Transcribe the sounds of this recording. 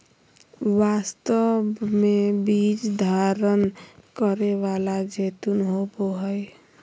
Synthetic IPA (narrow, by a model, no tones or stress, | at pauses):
wast̪əbmebit͡ʃd̪ʱaɾənkəɾeʋalad͡ʒet̪unɦoboɦəj